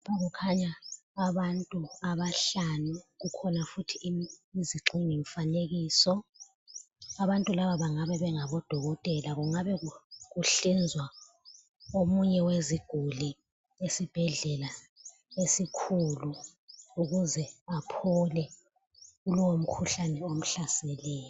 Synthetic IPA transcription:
ɓaɣukʰaɲaː | βantʼuaβaɬanuɣukʰɔnafutʰiiziǁʱiŋiɱfaneɣiːsɔ | aβantʼulaβaβaŋaβɛβɛŋaβɔd̥ʱɔɣɔtʼɛlaɣuŋaβɛɣukuɬind͡zʱwa | omuɲɛweziɡ̥ʱuli | esib̥ʱɛɮɛla | esikʰulu | uɣuzɛapʰɔlɛ | uluwom̩kʰuɬanɛom̩ɬasɛlɛːjɔ

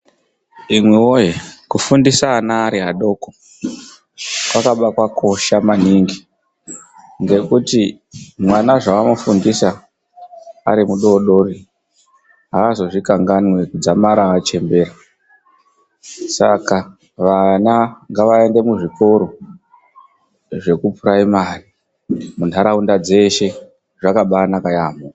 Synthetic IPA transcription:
imwewojekufundisaːnaːɾiɦaɗo̞ːko | kwakaɓakwakʰo̞ʃamaniŋɡi | ŋɡe̞kuti | mwanaʐaamofundisa | a̰ɾimuɗo̞ɗo̞ri | ɦaːzo̞ʐikaŋɡanwe̞kud͡zamaɾaːt͡ʃe̞mbe̞ɾa | saka | ʋanaŋɡaʋae̞nde̞muʐiko̞ɾo̞ | ʐe̞kupuɾaimari | muntʰaɾaundad͡ze̞ʃe̞ | ʐakaɓaːnakajamo

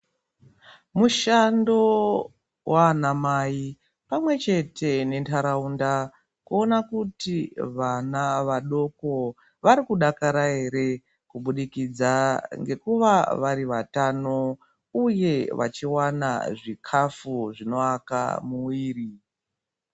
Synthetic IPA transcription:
muʃando | wʔanamai | pamwe̞t͡ʃe̞tʰe̞ne̞ntʰaɾaunda | kuonakutiʋanaʋaɗo̞ko̞ | ʋaɾikuɗakaɾae̞ɾe̞ | kuɓuɗikid͡zaŋɡe̞kuʋaʋaɾiʋatano̞ | uje̞ʋa̰t͡ʃiwana̰ʐikʰafuʐino̞aka̰muwiːri

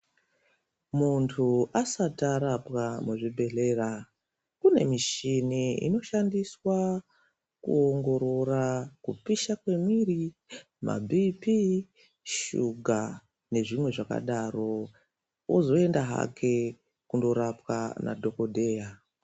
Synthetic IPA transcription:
muntʰuʔasataɾapwamuʐibʱe̞ɮera | kune̞̰miʃiniḭno̞ʃandiswa | kṵo̞ŋɡo̞ɾo̞rakupiʃakwe̞miri | mʔa̰bʱipi | ʃuɡʱa | ne̞ʐimwe̞ʐaka̰ɗaro̞ | ozo̞e̞ndaɦa̰kʰe̞ | kundo̞ɾapwa̰na̰dʱo̞ko̞dʱe̞ːja

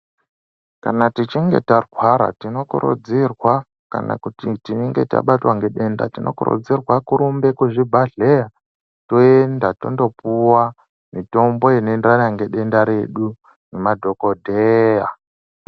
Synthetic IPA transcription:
kanatit͡ʃiŋɡe̞̰tarwaɾa̰tino̞kuɾṵd͡zirwa | ka̰na̰kutitineŋɡe̞ta̰ɓatwaŋɡe̞ɗe̞nda̰tinʔo̞̰kṵɾṵd͡zirwakuɾumbe̞kuʐibʱaɮeja | to̞endato̞̰ndo̞puwa | mito̞mbo̞inenanaŋɡe̞ɗe̞ndaɾe̞ɗu | nemadʱo̞ko̞dʱeja

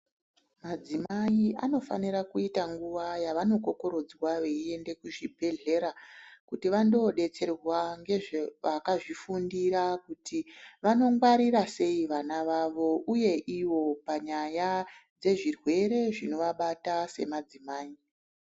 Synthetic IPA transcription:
mad͡zimaiʔano̞fa̰niɾakuitaŋɡuʋajaʋano̞ko̞ko̞ɾo̞d͡zwaʋe̞ie̞nde̞kuʐibʱe̞ɮe̞ɾakutiʋando̞ɗe̞t͡se̞rwaŋɡe̞ʐeʋakaʐifundirakutiʋano̞ŋɡwaɾirase̞iʋanaʋaʋo̞ʔuje̞ʔiwo̞paɲajad͡ze̞ʐirwe̞ɾe̞ʐino̞ʋaɓatase̞̰mad͡zimaːi

